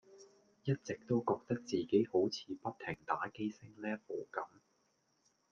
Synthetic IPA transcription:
jɐ˥t̚t͡sɪ˨k̚t̪o˥wkɔː˧k̚t̪ɐ˥k̚t͡siː˨ke˨˥jho˨˥wt͡sʰiː˨˧pɐ˥t̪̚ʰɪ˨˩ŋt̪aː˨˥ke˥jsɪ˥ŋlɛː˥po˨˩kɐ˨˥m

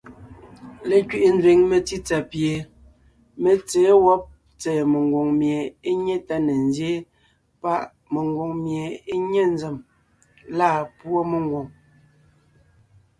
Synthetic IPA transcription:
le˨kɥi˨ʔe˨n˦dwe˨ŋme˨ti˦t͡sa˨pje˨ | me˨t͡sɛː˨˦wɔ˦p̚ | t͡sɛː˨me˨ŋɡwo˨ŋmje˨e˦ɲe˦ta˦ne˨nzje˦ | pa˦ʔ | me˨ŋɡwo˨ŋmje˨e˦ɲe˦n˦d͡ze˨m | laː˦˨pwo˦me˨ŋ˦ɡwo˨ŋ

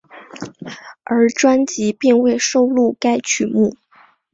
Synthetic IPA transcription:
ə˞˧˥ʈ͡ʂwa˥nt͡ɕi˧˥pi˥˧ŋwe˥˧ɪʂo˥˧ʊlu˥˩ka˥ɪt͡ɕʰy˨˩˦mu˥˩

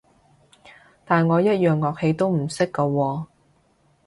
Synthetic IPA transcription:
t̪aː˨nŋɔː˨˧jɐ˥t̚jœː˨ŋːɔː˨k̚he˨˧jt̪o˥wm̩˨˩sɪ˥kːɐ˧wɔː˧

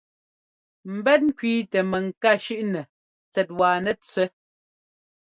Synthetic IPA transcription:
m̩˨bɛ˦t̚ŋ̩˦kɥiː˦tɛ˨mɛ˨ŋ̩˨ka˦˨ʃʉ˦ʔnɛ˨ | t͡sɛ˨t̚waː˨nɛ˨t͡sɥɛ˦

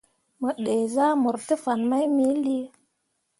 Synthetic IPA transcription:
mə˨ɗe˨za˦mu˨ɾtə˦fa˨nma˦jmi˦li˦

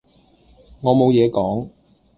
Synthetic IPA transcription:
ŋɔː˨˧mo˨˧wjɛː˨˧kɔː˨˥ŋ

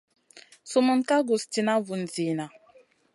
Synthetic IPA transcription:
su˦mu˨˦n̩ka˦ɡu˨sti˨na˦vu˨n̩˨zi˨na˨

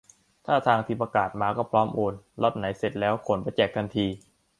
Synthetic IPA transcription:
t̪ʰaː˥˩t̪ʰaː˧ŋt̪ʰiː˧˩pa˧kaː˨˩t̪̚maː˧kɔː˥˩pʰɾɔː˦˥mʔoː˧nlɔ˦˥t̪̚na˩˦jse˨˩t̪̚lɛː˦˥wkʰo˨˩˦npa˧jt͡ɕɛː˨˩k̚t̪ʰa˧nt̪ʰiː˧

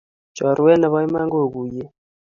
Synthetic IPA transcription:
d͡ʒa˨ɾu˨wɛ˦nɛ˨βa˦i˦ma˦ŋɡo˦˨ku˨jɛ˦

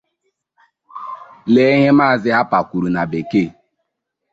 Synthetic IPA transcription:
le˦ɦe˦maː˦˨zɪ˦ɦa˦pa˨kʷu˨ɾu˨na˨be˨ke˦˨

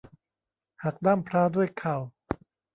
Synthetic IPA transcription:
ha˨˩k̚daː˥˩mpʰɾaː˦˥du˥˩əjkʰa˨˩w

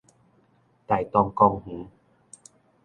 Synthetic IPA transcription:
t̪a˨˩jt̪ɔ˧ŋkɔ˧ŋhũ˨˦

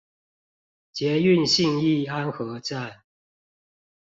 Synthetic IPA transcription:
t͡ɕjɛ˨˦y˥˨nɕi˥˧ŋi˥˩˨a˦nxɤ˨˦ʈ͡ʂa˥˨n

